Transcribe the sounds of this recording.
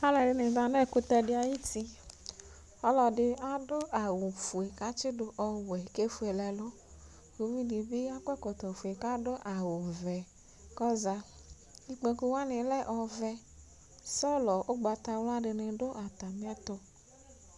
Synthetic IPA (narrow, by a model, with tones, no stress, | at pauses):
a˦lɛ˨ɖɪ˦ne˨da˨nɛ˦˨ku˦t̪ɛ˧ɖɪ˦a˨ji˦ti˦ | ɔ˦lɔ˨dɪ˦a˦do˦ʔa˨wo˨fu˨e˨ka˦t͡ʃɪ˦do˨ʔɔ˨wɛ˨ke˦fu˨e˨lɛ˨lɔ˦ | ku˨vi˦di˨be˦a˦kʷɛ˦kɔ˨t̪ɔ˨fu˨e˨ka˦do˦ʔa˨wo˨vɛ˨ | kɔ˦za˧ | i˦k͡pe˧ku˦wa˦nẽ˨lɛ˦ʔɔ˨vɛ˦ | sɔ˦lɔ˨ʔo˦ɡ͡ba˨t̪a˧wlo˦a˦ɖɪ˨˧ne˨ɖo˦ʔa˨t̪a˨mĩ˦ɛ˦t̪ɔ˧